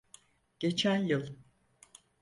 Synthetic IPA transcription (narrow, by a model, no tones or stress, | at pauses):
ɟ̥e̞t͡ʃʰænjɯlˠ